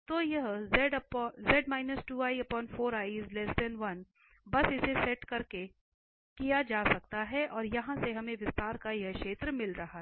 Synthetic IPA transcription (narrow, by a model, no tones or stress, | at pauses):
t̪oːjɐɦzɛɖɐpːzɛːɖmaːɪnəsʈuːaːiɐpɔːnfoːɾaːizlɛsɖ̪ɛnʋɐn | bɐsɪsesɛʈkɐɾke | kijad͡ʒaːsɐk̚t̪aɦɛʔɔːɾjɐɦãseɦɐmẽʋɪst̪aːɾkajɐɦkʃeːt̪ɾəmɪlɾɐɦaɦ